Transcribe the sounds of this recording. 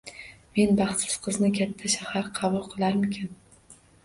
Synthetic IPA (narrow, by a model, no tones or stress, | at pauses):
me̞nbɑχt̪sɪ̥z̥qʰɨznɪkʲʰat̪ʰːaʃahaɾqʰɑbʊlˠqʰɨlˠaɾmɪkʲʰɪn